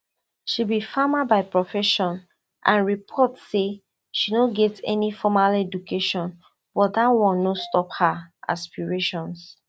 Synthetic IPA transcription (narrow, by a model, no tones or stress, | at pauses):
ʃibifamabaɪpɹɔfɛʃɔ̃n | ʔã̰nɹipʰɔtse | ʃinoɡɛtɛ̰nifɔmalɛdukeʃɔ̃n | b̥ɔt̚datwɔ̃nːostɔphaʔa̰spiɹeʃɔ̃ns